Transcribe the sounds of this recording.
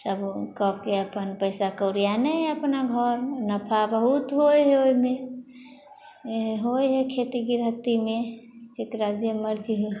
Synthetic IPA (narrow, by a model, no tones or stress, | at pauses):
səbkɔkeəpənpəjsakəwɾijanəjəpnaɡʱəɾnəpʰabəɦut̪ɦojɦeoime | ɦojɦekʰet̪iɡiɾɦət̪imet͡ʃekɾad͡ʒjəməɾd͡ʒiɦ